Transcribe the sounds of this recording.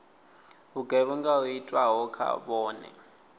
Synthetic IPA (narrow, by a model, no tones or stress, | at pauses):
βuɡɛβuŋɡauitʼwaɦɔkʰa̰βɔːnɛ̰